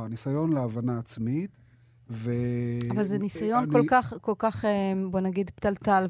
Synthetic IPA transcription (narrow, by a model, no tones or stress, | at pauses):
anisajo̞nleavanaːt͡smit̪ | veavalzenisajo̞nko̞lkaχko̞lkaχebo̞naɡid̪ptaltal